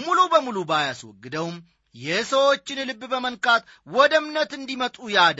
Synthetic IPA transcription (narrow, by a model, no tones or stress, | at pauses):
mulubəmulubajaswɔ̰ɡːɨd̪əwm | jɛsəwo̞t͡ʃːɪnlɨbːbəmənkʼat̪ | wɔd̪əmnət̪ɨnd̪imət̪ʼujad̪